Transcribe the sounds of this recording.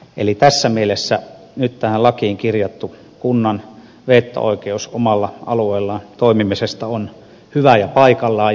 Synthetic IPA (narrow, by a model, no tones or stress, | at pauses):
elit̪æsːæmielesːæ | nyt̪t̪æhælɑkiːŋkirjɑt̪ːu | kunːɑn | ʋeˑːt̪ːæ̰o̰ˑikeusomɑlːɑʔɑ̰lueːˑlːɑt̪oˑimimisest̪ɑon | hyʋæjɑpɑikɑlːˑɑː